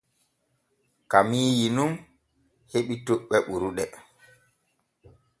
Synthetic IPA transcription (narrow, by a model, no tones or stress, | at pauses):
kamiːjinum | heɓitoɓːɛɓuɾuɗɛ